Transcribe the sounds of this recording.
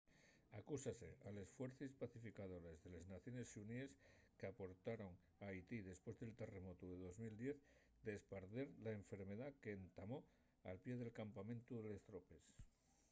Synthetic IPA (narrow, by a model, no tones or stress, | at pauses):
akusase̞ale̞sfwe̞ɾθispaθifikaðo̞ɾezðe̞leznaθjo̞ne̞sunieskeapo̞ɾt̪aɾo̞ŋ | ajt̪iðe̞spwe̞zðe̞lt̪e̞re̞mo̞t̪uðe̞ðo̞zmild̪je̞θ | d̪eːspaɾðeɾlaeɱfe̞ɾme̞ðakeːnt̪amo̞ | a̰lpje̞ðe̞lkampamẽnt̪uðele̞st̪ɾo̞pe̞s